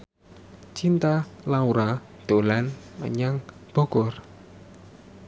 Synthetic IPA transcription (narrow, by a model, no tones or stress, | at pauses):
t͡ʃint̪alauɾa | d̪̥olanmə̰ɲaŋb̥o̤kɔr